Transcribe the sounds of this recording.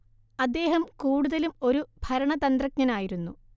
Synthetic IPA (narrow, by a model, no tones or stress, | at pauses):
ɐd̪ːe̞ːɦɐmkuːɽuðɐlumo̞ɾubʱɐɾɐɳɐt̪ɐnd̪rɐk̚ɲɐnaːjiɾunːṵ